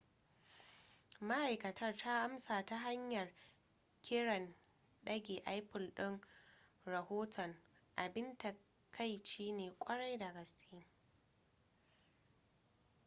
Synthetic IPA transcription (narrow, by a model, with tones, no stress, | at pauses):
ma˦ʔa˨jkɐ˨tʰɐ˦rtʰaː˦ʔa˦msaː˨ta˦ɦa˦ɲjɐ˨r | kʲʰɪ˦ɽɐ˨n | ɗɐ˦ɡʲeː˨ʔa˦jɸʊ˨lɗɪ˦ŋ | ɾɐ˨hoː˦tʰɔ˨ŋʔa˨bɪ˦nta˨ | kʰa˦jt͡ʃiː˦neː˨kʷʼɐ˦ɽa˦jda˨ɡɐ˨sʲiː˦